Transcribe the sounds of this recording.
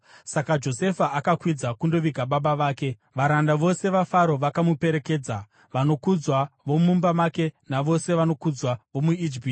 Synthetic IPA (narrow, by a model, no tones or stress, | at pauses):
sakad͡ʒo̞se̞faakakwid͡zakundo̞ʋiɡʱaɓaɓaʋaːke̞ | ʋaɾandaʋo̞se̞ʋafaɾo̞ʋakamupe̞ɾe̞ke̞ːd͡za | ʋano̞kud͡zwaʋo̞mumbamake̞naʋo̞se̞ʋano̞kud͡zwaʋo̞muid͡ʒipːti